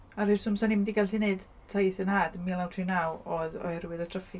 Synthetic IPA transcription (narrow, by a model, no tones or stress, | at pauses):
arɨrsʊmsɔnimdiɡalɬineɨd | tʰajθənaːdmilˠawtʰrinawɔðɔ̰hɛrwɨðɔtʰrəfɪ